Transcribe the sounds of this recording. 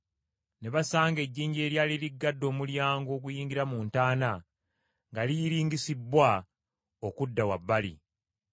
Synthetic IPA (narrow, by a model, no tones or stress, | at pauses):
ne̞βasaːŋɡe̞ɟːiːɲɟe̞ːɾjaːliliɡːadːo̞ːmuljaːŋɡo̞ːɡujiːŋɡiɾamuːntaːna | ŋɡalijiɾiːŋɡisibwa | okudːawabːalḭ